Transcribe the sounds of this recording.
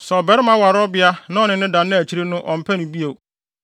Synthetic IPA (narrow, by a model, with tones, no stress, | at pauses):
sɛ˨ɔ˨bɛ˦ɾɪ˦mã˦wa˨ɾɔ˦bɪ˦a˦nã˦ɔ˨nɪ̃˨nɪ̃˦dã˨nːɪ̃˦æ˨t͡ɕʰi˨˦ɾe˦nʊ̃˦ʔɔ̃˨m̩˨pʰɛ˦nʊ̃˨bi˦e˨